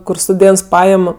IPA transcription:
kʊr stʊˈdʲeːnts ˈpɑːjɛm

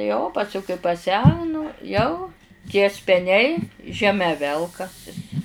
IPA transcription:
joː oː pɐˈsʲʊ kɐɪ pɐˈsʲæːnʊ ˈjɛʊ tʲiɛ sʲpʲɛˈnʲɛɪ ʒʲɛˈmʲɛ ˈʋʲɛlˠkɐsʲɪs

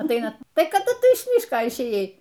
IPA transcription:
ɐtˈɐɪnɐ ˈtɐɪ kɐˈdʊ ˈtʊ ɪʃ ˈmʲiːʃkoː ɪʃʲˈeːjɛɪ

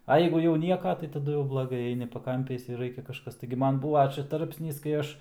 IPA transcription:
ɐ ˈjɛɪɡʊ jɛʊ ˈnʲiɛkɐ tɐɪ tɐˈdʊ jɛʊ blˠɐˈɡɐɪ ˈɐɪnʲɪ pɐˈkɐmʲpʲɛɪs ɪr ˈrɐɪkʲɛ kɐʃˈkɐs tɐɪɡʲɪ ˈmɐn ˈbuːʋɐ ˈt͡ʃʲɛ ˈtɐrʲpʲsʲnʲiːs kɐɪ ˈɐʃ

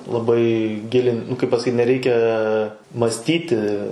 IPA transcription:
lˠɐˈbɐɪ ˈɡʲɪlʲɪn nʊ kɐɪp pɐsɐˈkʲiːt nʲɛˈrʲɛɪkʲɛ mɐsʲˈtʲiːtʲɪ

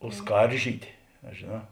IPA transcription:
oː ˈskɐrʲʒʲiːtʲeː ɐ ʒʲeːˈnɑː

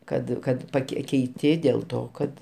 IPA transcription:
ˈkɐt ˈkɐt pɐˈkʲɛɪ kʲɛɪˈtʲɪ dʲeːlˠ ˈtoː kɐt

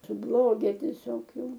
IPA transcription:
sʊˈblˠoːɡʲɛ tʲiɛˈsʲoːk ˈjɛʊ

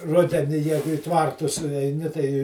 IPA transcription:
ˈrʊdʲɛnʲɪ ˈjæːɡʊ ɪ ˈtʋɐrtʊs ɛɪˈnʲɪ tɐɪ

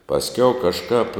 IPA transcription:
pɐsʲˈkʲɛʊ kɐʃˈkɑːp

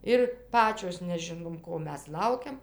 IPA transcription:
ˈɪr ˈpɑːt͡ʃʲoːs nʲɛˈʒʲɪnoːm ˈkoː ˈmʲɛs ˈlˠɐʊkʲɛm

